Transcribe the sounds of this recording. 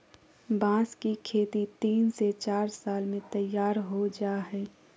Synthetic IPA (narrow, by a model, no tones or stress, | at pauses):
bãːskikʰeːt̪it̪iːnset͡ʃaːɾsaːlmẽt̪əjːaːɾɦod͡ʒaːɦɛː